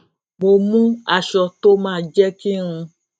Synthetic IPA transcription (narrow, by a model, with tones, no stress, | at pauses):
mo˨mũ˦a˨ʃɔ˨t̪o˦mã˦˨d͡ʒɛ˦ki˦ŋũ˧